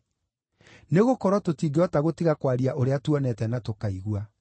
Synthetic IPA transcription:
neɣokɔɾwɔtotiːɡeɔtaɣotiɣakwaɾiaʔoɾeatuɔnɛtɛnatokaiɣwa

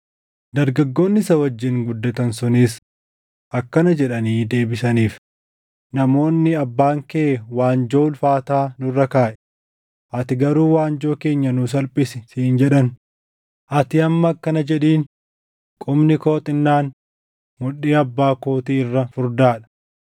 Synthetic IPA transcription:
d̪ɐɾɡɐɡːo̞ːnːɪsɐwɐd͡ʒːɪŋɡʊd̪ːɐt̪ɐnsʊniːs | ʔɐkːɐnɐd͡ʒɛᶑɐniːd̪e̞ːbɪsɐniːf | nɐmo̞ːnːɪɐbːaːŋkeːwaːnd͡ʒoːlfaːt̪aːnʊrːɐkaːʔɛ̥ | ʔɐt̪ɪɡɐɾuːwaːnd͡ʒo̞ːke̞ːɲːɐnʊs̬ɐlpʼɪsɪsiːnd͡ʒɛᶑɐn | ʔɐt̪ɪɐmːɐkːɐnɐd͡ʒɛᶑiːn | kʼʊmnɪko̞ːt̪ʼɪnːaːn | mʊɗeːɐbːaːkoːt̪iːɪrːɐfʊɾd̪aːᶑɐ̥

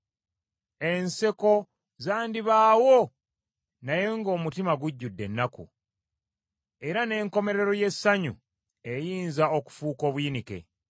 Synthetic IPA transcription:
e̞nse̞ko̞ | zaːndiβaːwo | naje̞ŋɡo̞ːmutimaɡuɟːudːe̞nːakṵ | e̞ɾane̞ːŋko̞me̞ɾe̞ɾo̞je̞sːaɲṵ | e̞jiːnzaoku̥fuːko̞ːβwinike̞̰

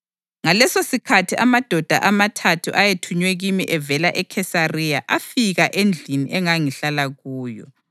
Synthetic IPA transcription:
ŋalɛsosikʰatʰiamad̥ʱɔd̥ʱa̰ʔamatʰatʰuʔajetʰuɲwɛɣimiʔɛvɛlaʔɛkʰɛsarijaʔafiɣaʔend͡ɮʱinḭʔɛŋaŋiɬalaɣuːjɔ̰

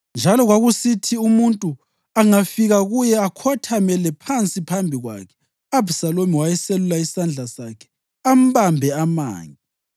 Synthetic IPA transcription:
nd͡ʒʱalɔɣwaɣusitʰiumuntʼu | aŋafiɣaɣujɛakʰɔtʰamɛlɛpʰant͡sʼipʰambʱiɣwa̰kʰɛ̥ | abusalomiwajɛselulaisand͡ɮʱasakʰɛ̥ | am̩βambʱɛama̰ːŋi

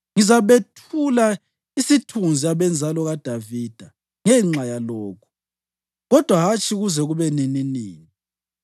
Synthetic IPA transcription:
ŋizaβetʰula | isitʰund͡zʱiaβɛnd͡zʱalɔɣad̥ʱavid̥ʱa | ŋɛŋ͡ǁajalɔːkʰu̥ | ɣɔd̥ʱwaɦat͡ʃʼʰiɣuzɛɣuβɛnininiːni

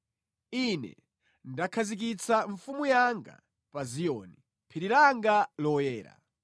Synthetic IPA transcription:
inɛ̰ | ndakʰazik̬it͡sʰaɱfumujaŋɡa̰ | pazijɔ̰ːni | pʰiɾiɾaŋɡalɔjɛːɾa̰

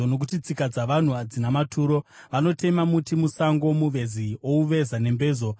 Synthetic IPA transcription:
ono̞k̬utit͡sikad͡zaʋan̤uad͡zinamatʰuːɾo̞ʋano̞te̞mamutimusaŋɡo̞muʋe̞zio̞uʋe̞zane̞mbe̞ːzo̞

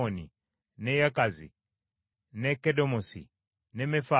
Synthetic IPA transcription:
ɔni | nɛjakazḭ | nɛkɛdɔmɔsḭ | nɛmɛfa

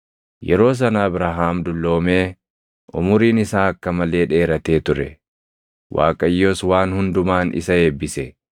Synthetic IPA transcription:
jɛɾo̞ːs̬ɐnaːbɾaːɦaːmd̪ʊlːo̞ːme̞ː | ʔʊ̰mʊɾiːnɪsaːɐkːɐmɐle̞ːᶑe̞ːɾɐt̪e̞ːt̪ʊɾɛ | wʔa̰ːkʼɐjːo̞ːswaːnhʊnd̪ʊmaːnɪ̰sɐe̞ːbːɪsɛ

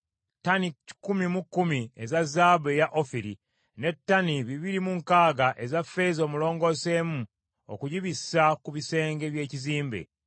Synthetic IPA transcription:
tani̥kumimukːumiezazaːbejaʔofiɾi | ne̞tːaniβiβiɾimuŋkaːɡaʔe̞zafe̞zo̞ːmulo̞ːŋɡo̞se̞ːmu | o̰kuɟiβisakuβise̞ːŋɡe̞βje̞ːciziːmbḛ

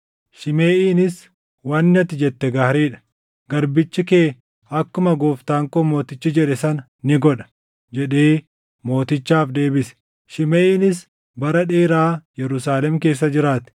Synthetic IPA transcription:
ʃɪmeːʔiːnɪs | wɐnːɪɐt̪ɪd͡ʒɛt̪ːɛɡaːhɾiːᶑɐ̥ | ɡɐɾbɪt͡ʃːɪkeː | ɐkːʊmɐɡoːft̪aːŋkoːmo̞ːt̪ɪt͡ʃːɪd͡ʒɛᶑɛsɐn | nɪɡɔᶑɐ̥ | d͡ʒɛᶑeː | mo̞ːt̪ɪt͡ʃːaːfd̪e̞ːbɪsɛ̥ | ʃɪmeːʔiːnɪs | bɐɾɐᶑeːɾaːjɛɾʊsaːlɛmke̞ːs̬ːɐd͡ʒɪɾaːt̪ɛ̥

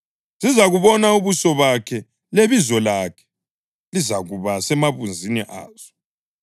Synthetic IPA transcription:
zizaɣuβɔnauβusɔβakʰɛ | leβizɔlakʰɛ̥ | lizaɣuβasɛmaβund͡zʱiniʔa̰ːz̥ɔ̥

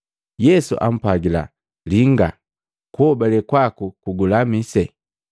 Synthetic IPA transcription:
jɛsṵʔa̰m̩paɡila̰ | liŋɡa̰ | kɔbalɛkwakukuɡulamisɛ

